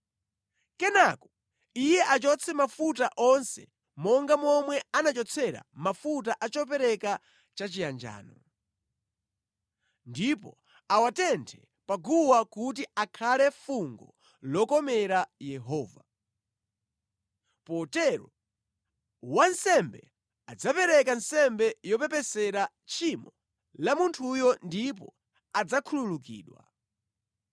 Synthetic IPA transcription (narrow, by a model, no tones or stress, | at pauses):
kɛnakɔ | ijɛʔat͡ʃɔt͡sʰɛmafutaʔɔnsɛ̰ | mɔŋɡamɔmwɛanat͡ʃɔt͡sʰɛɾa̰mafut̬aʔat͡ʃɔp̬ɛɾɛka | t͡ʃat͡ʃijand͡ʒa̰ːnɔ | ndipɔ | awatɛntʰɛ | paɡuwakut̬iakʰalɛfuŋɡɔ̰ | lɔkɔmɛɾajɛɦɔːva | pɔtɛɾɔ | wansɛmbɛ | ad͡zapɛɾɛkansɛmbɛjɔpɛpɛsɛɾa | t͡ʃʰimɔ | lamuntʰujɔndip̬ɔ̰ | ad͡zakʰululukḭːɗwa̰